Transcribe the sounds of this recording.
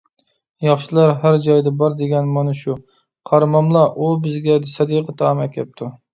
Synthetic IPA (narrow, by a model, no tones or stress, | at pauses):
jɑχʃilˠɑɾɦæɾd͡ʒɑjd̪ɛbɑɾd̪eɡʲɛnmɑnɨʃu | qʰɑɾmɑmlˠɑʔubɪzɡʲɛd̪ɪsɑd̪iqʰət̪ʰɑmɛkʲʰɛp̚t̪ʰu